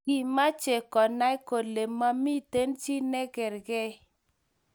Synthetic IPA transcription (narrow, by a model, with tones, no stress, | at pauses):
ɡi˨ma˦t͡ʃe˨kɔ˨na˦jko˨le˨mːa˦mi˦te˦nt͡ʃi˦nɛ˦ɡɛ˨ɾɡɛ˦